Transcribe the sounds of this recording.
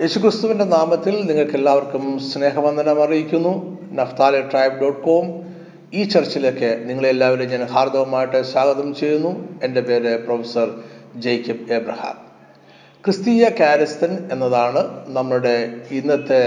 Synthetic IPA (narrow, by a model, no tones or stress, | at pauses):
je̞ːɕukrist̪uʋinde̞naːmɐt̪ːilniŋːɐɭke̞lːaːʋɐrkumsne̞ːɦɐʋɐnd̪ʱɐnɐmɐrijikʲːunːu | nɐft̪aːlijɐʈrɐjbɖo̞ːʈːko̞ːm | iːt͡ɕɐrt͡ɕːɐilo̞kːeniŋːɐɭelːaːʋɐɾuɲaːnhaːrd̪ɐʋɐmaːjiʈːɨɕaːɡɐðɐmt͡ɕe̞jːunːue̞nde̞pe̞ːɾɨprofɐsɐrd͡ʑejkʲːɐpebrɐha̰ːm | krɨst̪iːjɐkaːɾɐst̪ɐne̞nːɐðaːɳɨnɐmːɐɭuɽe̞inːɐt̪ːe